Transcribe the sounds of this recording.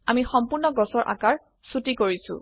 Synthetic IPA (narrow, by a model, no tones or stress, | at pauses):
amixɔmpʊɹnɔɡɔsɔɹʔa̰kaɹ | sutikoɹisʊ̰̃